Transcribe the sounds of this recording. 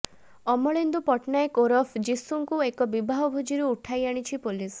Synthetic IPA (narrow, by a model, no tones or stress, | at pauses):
ɔmɔɭend̪upɔʈnaekoɾɔpʰd͡ʒisuŋkuekɔbibʱaɦɔbʱud͡ʒiɾuːʈʰajaɽ̃it͡ʃʰipulis